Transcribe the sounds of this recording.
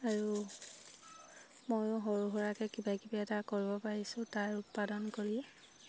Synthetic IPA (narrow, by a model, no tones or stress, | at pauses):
aɹu | mojʊɦɔɹuɦɔɹakɛkibakibaɛtakoɹibɔpaɹisʊ̃taɹʊt̚padɔnkoɹiɛ